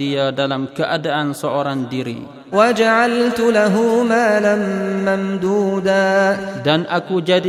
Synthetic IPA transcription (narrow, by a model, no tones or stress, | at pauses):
iadalamkəʔadaʔansəoɾaŋdiɾḭ | wad͡ʒaʕalt̪ʊlaɦuːmaːlanːamd̪uːd̪aːdanʔakud͡ʒadi